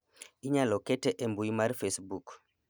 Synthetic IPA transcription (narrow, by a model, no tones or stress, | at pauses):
ʔiɲalɔkɛtɛʔɛmbujmaɾfesbuk